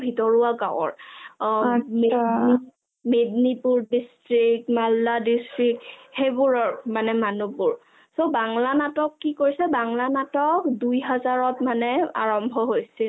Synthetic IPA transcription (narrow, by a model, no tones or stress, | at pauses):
bʱitɔɹuaɡawɔ̰ɹ | meni | mednipuɹdistɹik̚tmalːadistɹik̚hebuɹɔɹmanɛmanubuɹ | sobaŋlanatɔkːikoɹisɛbaŋlanatɔkdujɦazaɹɔtmanɛa̰ɹɔmbʱɔɦojsil